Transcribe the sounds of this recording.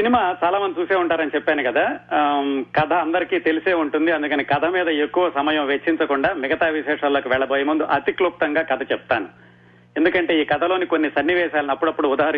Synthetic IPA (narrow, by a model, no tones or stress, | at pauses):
sinimaːt͡ʃaːlaːmɐnd̪it͡ʃuːseːuɳʈaːɾɐnit͡ʃɛpːaːnikɐd̪aː | kɐd̪ʱʰɐːnd̪ɐɾikiːt̪e̞liseːuɳʈund̪iɐnd̪ukɐnikɐd̪ʱɐmiːd̪ɐekːuʋɐsɐmɐjɐ̃mʋet͡ʃːiɲt͡ʃɐkuɳɖaːmɛɡɐt̪aːʋiʃɛːʂɐloːkiʋɛɭːɐboːjɐmund̪uʔɐt̪ikluk̚t̪ɐŋɡaːkɐd̪ʰʱɐt͡ʃɛp̚t̪aːnu | end̪ukɐɳʈe̞ːiːkɐd̪ʱɐlo̞ːniko̞nːisɐnːiʋɛːʃaːlɐniɐpːuɽɐpːuɽuːd̪aːɦɐɾ